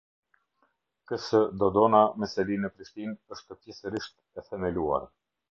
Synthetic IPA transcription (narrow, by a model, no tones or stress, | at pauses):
kəsəd̪ɔd̪ɔnamɛsɛlinəpɾiʃt̪inəʃt̪əpjɛsəɾiʃt̪ | ɛθɛmɛlua̰ɾ